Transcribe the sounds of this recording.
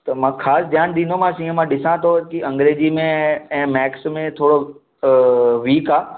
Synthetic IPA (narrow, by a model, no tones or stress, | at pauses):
t̪ɐmãːkʰaːsd̪ʱjaːnd̪ĩːn̆d̪omãsĩɦə̃mãɗɪsãt̪ʰokiʔɐ̃ŋɡɾeːd͡ʑimẽɛ̃ːmɛːksmẽt̪ʰoːɽo | ʋiːkaː